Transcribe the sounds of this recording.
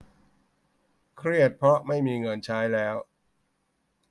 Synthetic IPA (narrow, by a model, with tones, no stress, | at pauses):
kʰɾi˥˩ət̪̚pʰɾɔ˦˥ma˥˩jmiː˧ŋɤ˧nt͡ɕʰaː˦˥jlɛː˦˥w